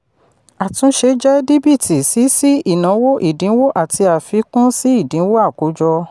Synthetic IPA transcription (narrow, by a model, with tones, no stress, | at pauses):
a˨tũ˧˦ʃe˧d͡ʒɛ˦di˦bi˦˨ti˨si˨˦si˦i˦˨nã˨˦wo˦ʔi˦˨dĩ˨˦wo˦ʔa˨tʰi˧a˨fi˧˦kũ˦si˦i˦˨dĩ˨˦wo˦a˦˨ko˨˦d͡ʒɔ˧